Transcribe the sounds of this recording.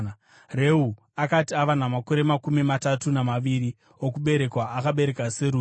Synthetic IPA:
re̞u | akatiaʋanamako̞ɾe̞makumimatatunamaʋiɾi | okuɓe̞ɾe̞kwaʔakaɓe̞ɾekaseɾu

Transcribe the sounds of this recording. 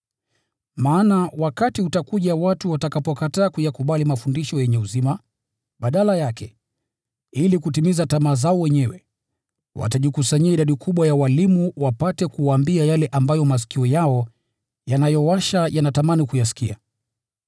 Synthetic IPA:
maːnawakatiutakuʄawatuwatakapɔkataːkujakuɓalimafundiʃɔjɛɲɛuzima | ɓaɗalajakʰɛ | ilikutimizatamaːzaɔwɛɲɛwɛ̰ | wʔa̰taʄikusaɲiaiɗaɗikʰuɓwajawalimuwapatɛkuwaːmbiajalɛʔambajɔmas̬i̥kiɔjaɔ | janajɔwaʃajanatamanikujasi̥kia̰

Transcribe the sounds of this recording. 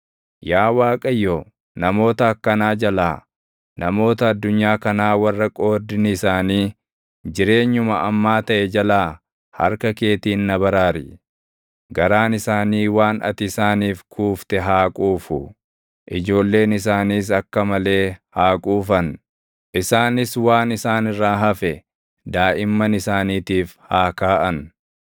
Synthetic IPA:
jaːwaːkʼɐjːoː | nɐmo̞ːt̪ɐːkːɐnaːd͡ʒɐlaː | nɐmo̞ːt̪ɐːd̪ːʊɲːaːkɐnaːwɐrːɐkʼo̞ːd̪ːɪnsaːniː | d͡ʒɪɾe̞ːɲːʊmɐʔɐmːaːt̪ɐʔɛd͡ʒɐlaː | hɐ̰ɾkɐke̞ːt̪iːnːɐbɐɾaːɾɪ | ɡɐɾaːnɪsaːniːwaːnɐ̰t̪ɪsaːniːfkʰuːft̪ɛɦaːkʼuːfʊ | ʔɪd͡ʒo̞ːlːe̞ːnɪs̬aːniːs̬ɐkːɐmɐle̞ːhaːkʼuːfɐn | ʔɪsaːnɪswaːnɪsaːnɪrːaːɦɐfɛ | d̪aːʔɪmːɐnɪsaːniːt̪iːfhaːkaːʔɐn

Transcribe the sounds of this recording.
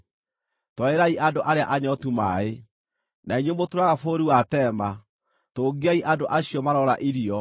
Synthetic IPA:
twaeɾaiʔandoʔaɾea̰ʔaɲɔtuma̰e | naiɲombotoɾaɣafoːɾiwatɛma | toːɡiaiʔadoʔaɕjɔmaɾɔɾaʔiɾiɔ

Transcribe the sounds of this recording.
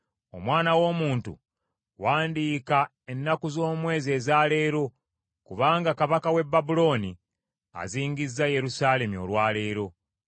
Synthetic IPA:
o̞̰mwaːnawo̞ːmuːntṵ | waːndiːka | e̞nːakuzo̞ːmwe̞ːze̞ːzaːle̞ːɾo̞ | kuβaːŋɡakaβakawe̞bːabulo̞ːni | a̰ziːŋɡizːaje̞ɾusaːle̞mio̞̰lwaːle̞ːɾo̞

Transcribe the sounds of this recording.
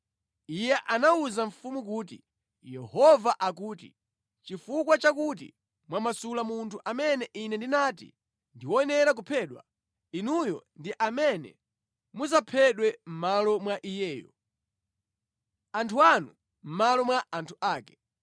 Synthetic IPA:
ijɛʔanauzaɱ̩fumuk̬uːt̬ḭ | jɛhɔvaʔak̬uːtḭ | t͡ʃifukwat͡ʃakut̬ḭ | mwamasulamuntʰuʔamɛnɛʔinɛndinaːtḭ | ndiwɔɛnɛɾak̬upʰɛːɗwa̰ | inujɔ̰ndiʔamɛnɛ̰ | muzapʰɛɗwɛm̩malɔmwaʔijɛːjɔ̰ | antʰuanu | m̩malɔmwaʔantʰuʔaːkɛ̥

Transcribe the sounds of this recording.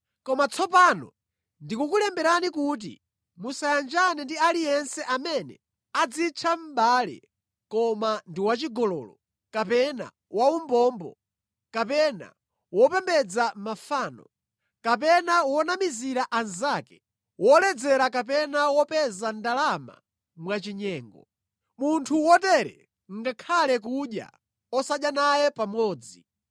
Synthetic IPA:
kɔmat͡sʰɔpaːnɔ̰ | ndikukulɛmbɛɾanikut̬ḭ | musajand͡ʒanɛndialijɛnsɛʔamɛnɛ̰ | ad͡zit͡ʃʰam̩baːlɛ̰ | kɔmandiwat͡ʃiɡɔlɔːlɔ | kapɛna̰ | waumbɔːmbɔ̰ | kapɛna̰ | wɔpɛmbɛd͡zamafaːnɔ | kap̬ɛnawɔnamiziɾaʔanzakɛ̥ | wɔlɛd͡zɛɾakap̬ɛnawɔpɛzandalama̰ | mwat͡ʃiɲɛːŋɡɔ | muntʰuwɔtɛɾɛ̰ | ŋɡakʰalɛk̬uɗja̰ | ɔsaɗjanajɛpamɔːd͡zi

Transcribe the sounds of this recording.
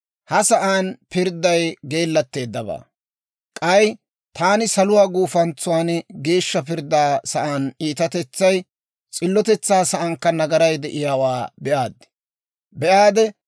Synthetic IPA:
hɐsɐʔaːnpɪɾd̪ɐjɡe̞ːlːɐt̪ːe̞ːd̪ːɐba̰ː | kʼɐj | t̪aːnɪsɐlʊwaːɡuːfɐnt͡sʊwaːnɡe̞ːʃːɐpɪɾd̪aːsɐʔaːniːt̪ɐt̪ɛt͡sːɐj | t͡sʼɪlːɔt̪ɛt͡sːaːsɐʔɐŋkːɐnɐɡɐɾɐjd̪ɛʔɪjaːwaːbɛʔaːd̪ːɪ̥ | bɛʔaːd̪ɛ

